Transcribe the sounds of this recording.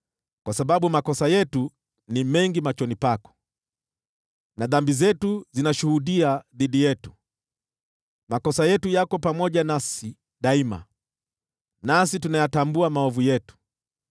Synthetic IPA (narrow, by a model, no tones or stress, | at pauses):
kwasaɓaɓumakɔsajɛtu | nimɛŋɡimat͡ʃɔnipakɔ̥ | naðambizɛtuzinaʃuhuɗiaðiɗijɛtu̥ | makɔsajɛtujakɔpamɔʄanasi | ɗaima̰ | nasitunajatambuamaɔvujɛtu̥